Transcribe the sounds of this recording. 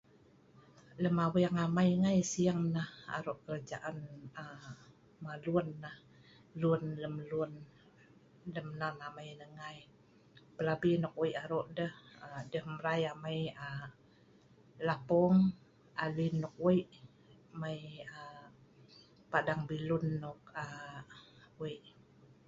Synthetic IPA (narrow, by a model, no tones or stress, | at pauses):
ləmawəjaŋamajŋajsiaŋnaha̰ɾoʔkəɾad͡ʒaʔanə | maluənːah | lunləmlun | ləmnanamajnəŋaj | pəlabinɔk̚wiʔaɾɔʔdəhədəhməɾajamajə | lapɔŋ | alinːɔk̚wiʔ | majə | padaŋbilunːɔk̚ə | wiʔ